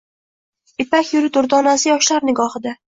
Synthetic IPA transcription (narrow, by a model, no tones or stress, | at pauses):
ɪpakʲjʊɾɪt̪ʊɾd̪ɒnasɪjɒʃlaɾnɪɡɒhɨd̪a